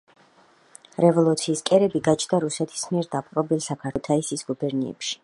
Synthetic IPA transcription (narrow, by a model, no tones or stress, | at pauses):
ɾɛvɔlˠut̪sʰiːskʼɛɾɛbiɡat͡ʃʰd̪aɾusɛt̪ʰi̥smiɛɾd̪apʼqʼɾɔbilsakʰat̪ʰaisisɡ̥ubɛɾnḭɛ̰pʃi̥